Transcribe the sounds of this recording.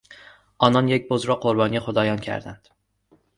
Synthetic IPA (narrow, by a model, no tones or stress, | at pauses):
ɒnɒnjek̚ʲbozɾɒqʰoɾbɒnijχod̪ɒjɒnkʲʰæ̰ɾd̪and̪̥